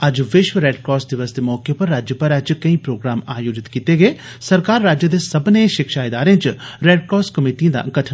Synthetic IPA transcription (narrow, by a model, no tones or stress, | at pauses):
ɐd͡ʒʋɪʃwəɾeːɖkɾɔːs̚d̪ɪʋəsd̪emɔːkepɐɾːaːd͡ʒjəpɐɾɐd͡ʒkɐĩːpɾoːɡɾaːmaːjoːd͡ʒɪt̪kit̪eɡeeː | sɐɾkaːɾːaːd͡ʒjəd̪eːsɐbneʃɪkʃaːɪd̪aːɾẽt͡ʃɾeːɖkɔːskəmiːʈiãd̪a̰ɡɐʈʰə